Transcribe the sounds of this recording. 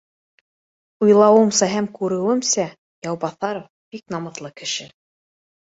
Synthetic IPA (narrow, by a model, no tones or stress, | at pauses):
ujlˠɑwɤ̆msɑɦæmkʉɾɘ̆wɘmsæ | jɑwbɑθɑɾof | b̥ik̚nɑmɤ̆t̪lˠɤkɘ̆ʃɘ